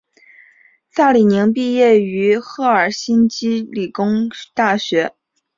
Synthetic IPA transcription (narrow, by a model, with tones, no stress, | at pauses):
sa˥˩li˨˩ni˧˥ŋp̬i˥˧jɛ˥˩y˧˥xɤ˥˩ə˞˨˩ɕi˥nt͡ɕi˥li˨˩kʊ˥ŋt̪a˥˩ɕɥɛ˧˥